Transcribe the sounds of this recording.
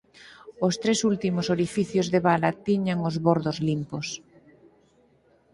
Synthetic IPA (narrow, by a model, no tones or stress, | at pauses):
ost̪ɾesult̪imosoɾifiθjozðeβalat̪iɲaŋozβoɾðozlimpos